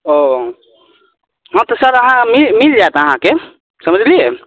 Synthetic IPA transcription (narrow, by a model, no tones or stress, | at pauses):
o | ɦəmt̪ɔsəɾəɦãmilmild͡ʒaet̪əɦãke | səməd͡ʒlije